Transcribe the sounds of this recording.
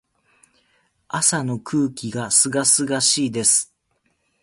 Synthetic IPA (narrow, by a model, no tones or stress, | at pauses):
asano̞kʰɯ̟ːkʲiɡasɨɡasɨɡaɕiːd̪e̞sɨ̥